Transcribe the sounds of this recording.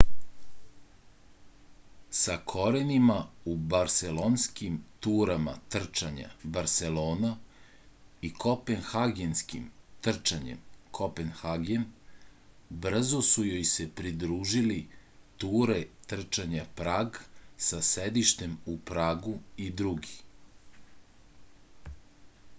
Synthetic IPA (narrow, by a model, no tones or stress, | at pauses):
sakʰo̞ɾenimaubaɾselonskimt̪uːɾama̰t̪r̩t͡ʃaɲa̰baɾse̞lo̞ːna | ikʰo̞penxaɡenskḭmt̪r̩t͡ʃaɲḛmkʰo̞penxaɡen | br̩zosujojse̞pɾid̪ɾuːʒilit̪uːɾe̞t̪r̩t͡ʃaɲapɾaːɡsased̪iʃt̪e̞mupɾaːɡuid̪ɾuɡi